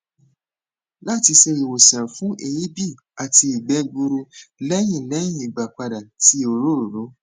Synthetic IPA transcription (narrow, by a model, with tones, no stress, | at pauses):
la˦˨ti˧se˧ɾi˨wo˨sĩ˨ã˨fũ˨˦ʔe˧˨ji˦bi˦˨ | a˨ti˧i˨ɡ͡bɛ˧˦ɡ͡bu˧ɾu˧lɛ˦j̃ĩ˨lɛ˨˦j̃ĩ˦˨i˨ɡ͡ba˨k͡pa˧da˨ti˦o˨ɾo˦˨ɾo˨lo˨˦